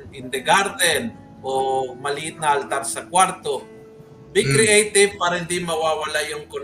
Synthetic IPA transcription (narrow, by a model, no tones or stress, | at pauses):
nɪnd̪ɛɡaɾd̪ɛn | ʔomɐliʔɪt̪̚naʔalt̪aɾsɐkwaɾt̪o | bɪkɾɪʔejt̪ɪv̚paːɾɐhɪnd̪imɐwawalajʊŋkʊn